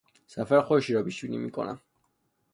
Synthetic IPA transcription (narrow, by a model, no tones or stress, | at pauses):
safɛlχɔʃiɾɔbiswinḭmikʼɔ̰na̰